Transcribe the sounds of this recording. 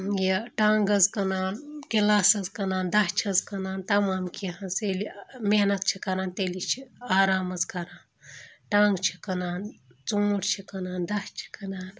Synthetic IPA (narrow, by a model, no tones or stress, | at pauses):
jeʈaːŋɡɐzkɐnaːnkilaːsɐzkɐnaːnd̪ɐht͡ʃʰiɐzkɐnaːnt̪ɐmaːmkʲiɦɐzelimenɐt̪̚t͡ʃʰikɐɾaːnt̪elit͡ʃʰiaːɾaːmɐzkɐɾaːn | ʈãːŋɡt͡ʃʰi̥kɐnaːnt͡soːʈʰt͡ʃʰikɐnaːnd̪ɐht͡ʃʰi̥kɐnaːn